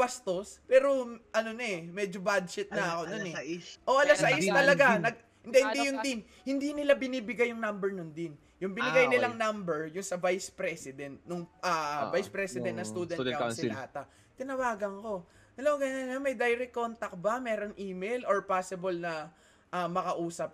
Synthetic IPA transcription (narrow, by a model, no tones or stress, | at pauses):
bɐst̪o̞spɛːɾo̞ʔɐnonɛmɛd͡ʒobad̪ʃɪt̪̚nɐʔɐko̞nonɛʔoʔɐlasɐɪst̪ɐlɐɡanɐɡ̚ | hɪnd̪ɛhɪnd̪ijʊnd̪ɪn | hɪnd̪inɪlabɪniːbɪɡajːʊŋnɐmbɛɹnʊnd̪ɪn | jʊŋbɪnɪɡajnɪlɐŋnɐmbɛɹjʊnsɐvajspɾɛsɪd̪ɛnt̪̚nʊŋʔɐvajspɾɛsɪd̪ɛ̃nt̪nɐst̪uːd̪ɛnɐksɪnaːt̪ɐ | t̪ɪnɐwaːɡɐŋko̞ | ɐloɡɐŋanɐmɐjd̪ajɾikːo̞nt̪ɐk̚bɐmɛːɾo̞nʔiːmɛjlʔoɹpaːsɪbolnɐ | ʔɐmɐkɐʔuːsɐp̚